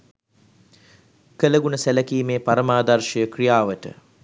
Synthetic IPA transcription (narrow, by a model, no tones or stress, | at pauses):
kələɡunəsæləkiːmeːpaɾəmaːd̪arʃəjəkrijaːʋəʈə̰